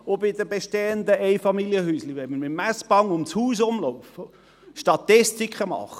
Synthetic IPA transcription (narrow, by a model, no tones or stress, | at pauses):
obɪdəbeʃteːənd̪əɛɪfɑmiljəhyːsliʋɛməmɪmæsb̥ɑŋʊmshuːsʊmlɔʊfə | ʃtɑt̪ɪstikχəmɑ̰χə